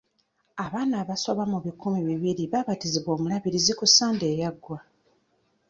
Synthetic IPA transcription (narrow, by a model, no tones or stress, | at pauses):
aβaːnaːβaso̞βamuβikumiβiβiɾiβaβatiziβo̞ːmulaβiɾizikusaːnde̞ːjaɡwa